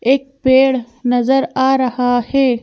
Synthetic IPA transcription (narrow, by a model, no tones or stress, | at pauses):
eːk̚peːɽ | nɐzɐɾaːɾɐhaːheː